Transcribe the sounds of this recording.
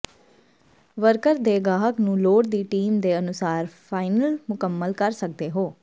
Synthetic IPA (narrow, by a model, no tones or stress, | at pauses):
ʋəɾkəɾd̪eːɡaːɦəknũːloːɽd̪iːʈiːmd̪eːənʊsaːɾpʰaːɪnəlmʊkəmːəlkəɾsək̚d̪eːɦoː